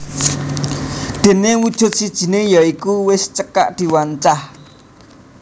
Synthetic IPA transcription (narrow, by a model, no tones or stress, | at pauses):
d̪̥e̤newud̥ʒ̥ʊ̤t̪̚sid̥ʒ̥i̤nejɔikuwɪst͡ʃəka̰ʔd̪̥i̤waɲt͡ʃah